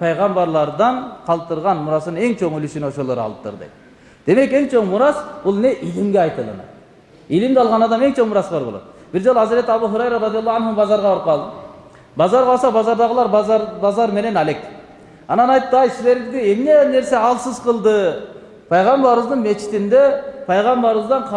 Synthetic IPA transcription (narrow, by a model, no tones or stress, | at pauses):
pʰɑjʁɑmbɑɾlˠɑɾd̪ɑnqʰɑlˠt̪ɯɾʁɑnmuɾɑsɯnɯne̞ŋt͡ʃʰo̞ŋylyʃyno̞ʃo̞lˠoɾɑ̰lˠɯp̚t̪ʰɯ̰ɾd̪ɯ̰ | d̪̥e̞me̞ke̞ŋt͡ʃʰo̞ŋmuɾɑsb̥ulˠne̞ʔilimɡʲeɑjt̪ɯlˠɯ̰nɯ̰ | ilimd̪ɑlˠʁɑnɑd̪ɑme̞ŋt͡ʃʰo̞ŋmuɾɑsbɑɾbo̞lˠo̰t̪ | b̥iɾd͡ʒo̞lˠuɑzɾe̞t̪ɑb̪uɦuɾɑjɾoɾɑd̪ijɑlˠːɑɑnhbɑzɑɾʁɑbɾɯp̚qʰɑlˠd̪ə | bɑzɑɾʁɑlˠsɑbɑzɑɾd̪ɑʁəlˠɑɾbɑzɑɾme̞ne̞nɑlʲekʲ | ɑnɑnɑjt̪ːɑjsize̞ɾɡizɡ̪eemne̞ne̞ɾse̞ɑlˠsɯzqʰɯlˠd̪ɯ | pʰɑjʁɑmbɑɾβɯzd̪ɯnme̞t͡ʃʰi̥t̪ind̪epʰɑjʁɑmbɑɾɨzd̪ɑnqʰ